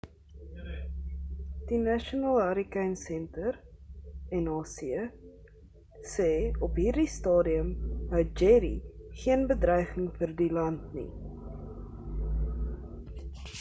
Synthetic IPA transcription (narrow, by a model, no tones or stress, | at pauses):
d̥inæʃonɑːlˠɐɾikɛnsɛntər | ɛnɑːsiə | sɛːɔpɦiːrdistɑːdiəmɦəwt̚d͡ʒɛɾḭχiənbədrœjχəŋfərdilɐntnḭ